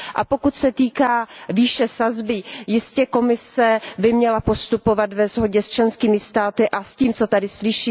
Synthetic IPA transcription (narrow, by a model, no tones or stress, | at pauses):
ʔa̰po̞kut̪sɛt̪iːkaːviːʃɛsazbɪjɪscɛko̞mɪsɛbɪmɲɛlapo̞st̪upo̞vat̪vɛzɦo̞ɟɛst͡ʃlɛnskiːmɪst̪aːt̪ɪʔasciːmt͡so̞t̪adɪslɪʃiː